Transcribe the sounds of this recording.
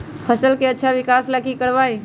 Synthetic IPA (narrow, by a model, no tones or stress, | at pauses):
pʰəsəlkeətːʃʰaʋɪkaːslakikəɽʋaːi